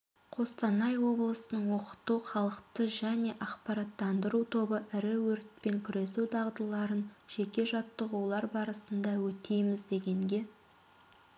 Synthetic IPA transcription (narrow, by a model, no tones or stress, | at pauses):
qʰo̞st̪ɑnɑjwo̞blˠəsənəɴwoqə̥t̪uχɑlˠəqt̪əʒæne̞ʔɑqpɑɾɑt̪ːɑnd̪əɾut̪ʰo̞bəʔɪɾɪwɵɾt̪̚pe̞ŋkʲʰʏɾe̞sud̪ʰɑʁd̪əlˠɑɾənʒ̥e̞kʲe̞ʒɑt̪ːəʁulˠɑɾbɑɾəsənd̪ɑwɵt̪e̞jmɪzd̪e̞ɡʲe̞ŋɡʲe̞